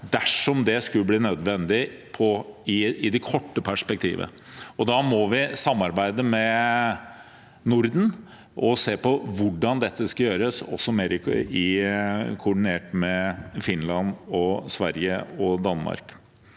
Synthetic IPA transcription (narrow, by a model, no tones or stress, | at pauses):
d̪æʂɔmd̪ɛskʉlːəbliːnœd̪ʋɛnd̪ɪpʰɔɪɪd̪ɛkʰɔʈːəpʰæʂpɛk̚t̪ʰḭːʋə̰ | ɔd̪ɑmɔʋɪsɑmːɑɾbæɪd̪əmɛ | nʊɾd̪n̩ | ʔɔseːpɔʋʊɖɑnd̪ɛt̪ʰːəskɑjøːɾəsɔ̰sːɔmeːɾɪɪ | kʰʊɖɪneːʈmɛfɪnlɑnɔsʋæɾjəɔd̪ɑnmɑ̰ɾk